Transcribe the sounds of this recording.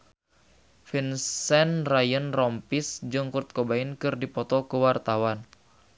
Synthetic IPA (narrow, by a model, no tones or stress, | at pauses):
finssɛnrajənrɔmpisd͡ʒɨŋkurt̪̚kobainkɨrdipɔt̪ɔkəwart̪awan